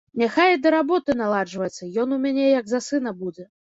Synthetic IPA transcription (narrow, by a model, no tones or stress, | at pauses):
nʲaxajd̪ɐɾabɔt̪ɨnalˠaʐvɐjɛt̪sʲːɐjɔn̪umʲanʲejɐɡzasɨnɐbud͡zʲɛ